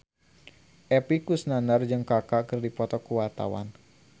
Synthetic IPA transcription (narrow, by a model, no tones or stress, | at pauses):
ʔɛpikusnanard͡ʒɨŋkakakɨrdipɔt̪ɔkuwat̪a̰wa̰n